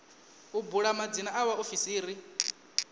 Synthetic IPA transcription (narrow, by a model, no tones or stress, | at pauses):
ubuɺamad͡zinaʔawaofisiːɾi